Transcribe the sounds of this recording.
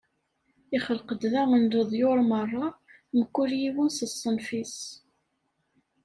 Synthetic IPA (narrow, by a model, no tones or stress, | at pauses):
ɪχəlqəd̪ðæʁənləðˤjoɾˤmərˤːɑ | məkːʊɾjiwənsəsˤːənfis